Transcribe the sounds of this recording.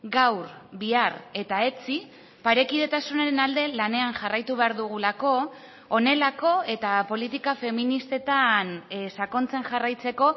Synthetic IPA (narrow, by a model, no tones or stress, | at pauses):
ɡawɾbiare̞t̪ae̞t͡si | paɾe̞kið̞e̞t̪asuneɾe̞nald̪e̞lane̞aŋʝarajt̪uβe̞aɾðuɣ̞ulako̞ː | ne̞lako̞e̞t̪apo̞lit̪ikafe̞minist̪e̞t̪ansako̞nt͡se̞ŋʝarajt͡se̞ko̞